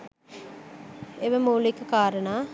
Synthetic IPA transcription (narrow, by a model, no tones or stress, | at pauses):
eʋəmuːlikːəkaːɾənaː